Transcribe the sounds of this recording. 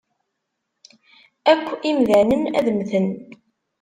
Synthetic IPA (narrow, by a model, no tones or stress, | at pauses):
ækʷːimðænənæ̰ðmθən